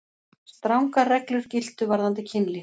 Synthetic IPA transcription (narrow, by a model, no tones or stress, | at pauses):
st̪ɾawŋkarɛklʏɾ̥cɪlt̪ʏvaɾðant̪ɪcʰɪnlɪ